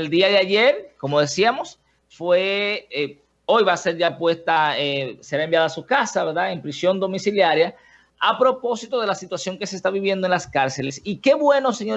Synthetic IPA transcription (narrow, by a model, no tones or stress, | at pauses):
eld̪iaðeaʝe̞ɾko̞mo̞ðe̞siamo̞s | fwe̞ | o̞jβase̞ɾʝapwe̞st̪aese̞ɾaembjaðasukasaβe̞ɾðaempɾisjo̞nd̪o̞misiljaɾja | apɾo̞po̞sit̪o̞ð̞e̞lasit̪wasjo̞ŋke̞seːst̪aβiβje̞nd̪oe̞nlaskaɾse̞lesike̞βwe̞nose̞ɲo̞